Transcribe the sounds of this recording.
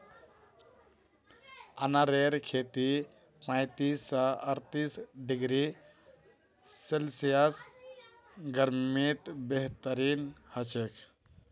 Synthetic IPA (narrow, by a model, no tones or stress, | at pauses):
ənaɾeɾkʰet̪i | pãjt̪isːaəɾt̪isɖiɡɾi | selsijas | ɡəɾmit̪beɦt̪əɾinhət͡ʃek